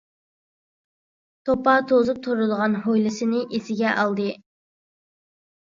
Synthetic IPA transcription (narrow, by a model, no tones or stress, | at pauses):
t̪ʰopɑt̪ʰozup̚t̪ʰuɾulˠʁɑnɦojlɨsɪnɪʔesɪɡʲɛʔɑlˠd̪ɨ